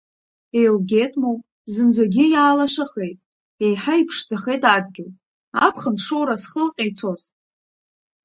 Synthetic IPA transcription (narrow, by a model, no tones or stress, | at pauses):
e̞jlɡʲe̞tʼmow | zɨnd͡zaɡʲɪjaːlaʃaχe̞jtʼ | ejħaipʰʂd͡zaχe̞jtʰʼad̚ɡʲɪl | apʰχənʂowɾasχəlqʲʼejt͡sʰo̞z